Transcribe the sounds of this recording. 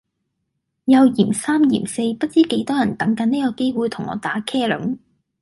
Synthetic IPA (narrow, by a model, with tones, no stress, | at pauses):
jɐ˨˧wjiː˨˩msaː˥mjḭː˨˩mse˧jpɐ˥t̚t͡siː˥ke˨˥jt̪ɔː˥jɐ˨˩nt̪ɐ˨˥ŋkɐ˨˥niː˥kɔː˧ke˥jwuː˨˧jt̪ʰʊ˨˩ŋɔ̰ː˨˧t̪aː˨˥kʰɛː˥lɵ˨˥ŋ